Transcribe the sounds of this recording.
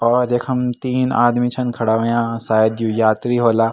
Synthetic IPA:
ɔːɾeːkʰɐmt̪iːna̰ːd̪mit͡ʃʰɐnkʰɐɽaːʋɐjãːsaːjəd̪jujaːt̪ɾiɦoːlaː

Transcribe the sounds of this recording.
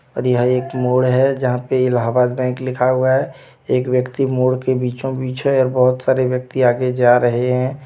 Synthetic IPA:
ɔ̰ːɾjəɦəeːkmoːɽɦɛd͡ʒəɦãpeɪlaɦabaːd̪bɛ̃ːklɪkʰaɦʊaɦɛ | eːkʋjəkt̪imoːɽkebiːt͡ʃõbiːt͡ʃɦɛ̃ɔːɾbəɦʊt̪saːɾeʋjək̚t̪iaːɡed͡ʒaɾəɦeɦɛ̃

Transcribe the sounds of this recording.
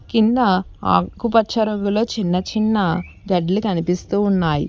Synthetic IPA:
kind̪ːɐa̰ːkupɐt͡ʃɐɾɐŋɡulo̞ːt͡ʃinːɐt͡ʃinːɐ | ɡɐɖɐlikɐnipist̪uːunːaːjḭ

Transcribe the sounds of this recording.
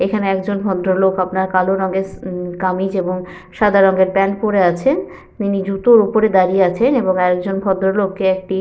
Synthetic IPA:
ekʰaneɛkd͡ʑonbʱɔd̪ɾolokapnaɾkaloɾɔŋɡekamid͡ʑeboŋ | ʃad̪ʱaɾɔŋɡeɾpɛnpoɾeat͡ɕʰen | t̪inid͡ʑut̪oɾupoɾed̪aɾieat͡ɕʰeneboŋɛk̚d͡ʑonbʱɔd̪ɾolokːeek̚ʈi

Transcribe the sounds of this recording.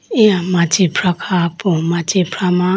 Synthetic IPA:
ĩãmatipʰɾakʰapũmatipʰɾama

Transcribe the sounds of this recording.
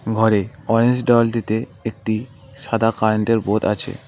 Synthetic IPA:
ɡʱɔɾeɔɾend͡ʑɖɔld̪it̪eek̚ʈi | ʃad̪ʱakaɾɳʈeɾbot̪at͡ɕʰḛ

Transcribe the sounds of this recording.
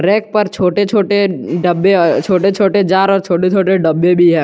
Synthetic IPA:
ɾɛːk̚pɐɾt͡ʃʰoːʈet͡ʃʰoːʈeɖəbːet͡ʃʰoːʈet͡ʃʰoːʈed͡ʒaːɾɔːɾt͡ʃʰoːʈet͡ʃʰoːʈeɖɐbːebʱiɦɛ̃ː

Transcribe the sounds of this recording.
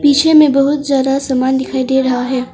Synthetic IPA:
piːt͡ʃʰemẽbɐɦʊt̪zjaːd̪asaːmaːnd̪ɪkʰaːid̪eːɾɐɦaɦɛː

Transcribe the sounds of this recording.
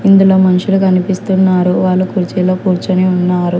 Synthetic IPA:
ind̪uloːmɐnuʂulukɐnipist̪unːaːɾuʋaːlːukuːɾt͡ʃiːloːkuːɾt͡ʃɐneːunːaːɾu

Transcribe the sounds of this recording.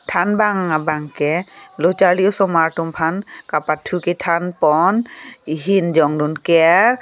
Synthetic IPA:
tʰanbaŋabaŋkɛlɔt͡ʃaɹliɔsɔmaɹtumpʰankapatʰːukɛtʰanpɔniɦind͡ʒɔŋdunkɛɹ

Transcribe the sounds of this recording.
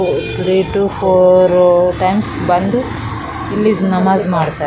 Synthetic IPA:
t̪ʰɾiːʈuːpʰoːɾʈɐjmsbɐnd̪u | ilːisnɐmaːzmaːɖt̪a

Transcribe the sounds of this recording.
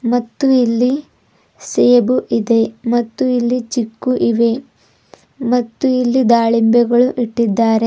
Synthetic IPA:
mɐt̪ːuilːi | seːbuʔid̪e̞mɐt̪ːuilːit͡ʃikːuʔiʋe̞ | mɐt̪ːuilːid̪aːɭimbjɛɡɐɭuʔiʈːid̪ːaːɾe̞

